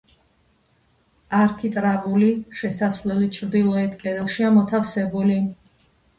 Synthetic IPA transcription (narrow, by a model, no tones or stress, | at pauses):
aɾkʰit̪ʼɾavuliʃɛsasvlɛlit͡ʃʰɾd̪ilˠɔɛt̪ʰkʼɛd̪ɛlˠʃiamɔt̪ʰafsɛbuli